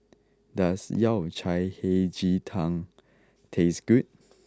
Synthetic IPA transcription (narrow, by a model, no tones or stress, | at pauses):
dasjat͡ʃʰajhed͡ʒitʰãŋ | tʰesɡ̥ut̚